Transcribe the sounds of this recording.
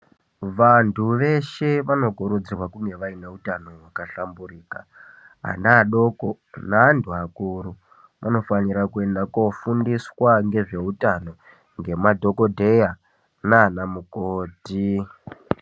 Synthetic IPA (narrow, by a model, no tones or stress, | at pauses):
ʋantʰuʋe̞ʃe̞ʋano̞ɡʱoɾod͡zirwakune̞ʋaineutano̞wakaɬamburiːka̰ | a̰naɗo̞ko | naɦntʰuakuɾu | mʔano̞faniɾakue̞ndakofundiswaŋɡe̞ʐe̞utano̞ | ŋɡe̞madʱo̞ko̞dʱe̞ja | naːnamukoːti